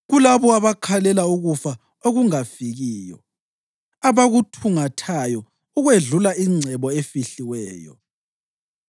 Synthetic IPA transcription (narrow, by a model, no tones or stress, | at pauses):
ɣulaβɔaβakʰalɛlauɣufa | oɣuŋafiɣiːjɔ̰ | aβaɣutʰuŋatʰajɔ | uɣweɮulaiŋ͡ǀʱɛβɔefiɬiwɛːjɔ̰